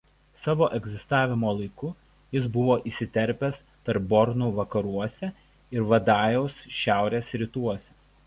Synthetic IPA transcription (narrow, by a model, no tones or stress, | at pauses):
sɑːʋoːʔɛɡʲzʲɪst̪ɑːʋʲɪmoːlˠɐɪkʊ | jɪsbʊʋoːʔisʲɪt̪ʲɛɾʲpʲɛs | t̪ɐɾp̚bɔɾnuːʋɐkɐɾuɔsʲɛ | ɪɾʋɐd̪ɑːjɛʊsʃʲæˑʊɾʲeːsɾʲɪt̪uɔsʲɛ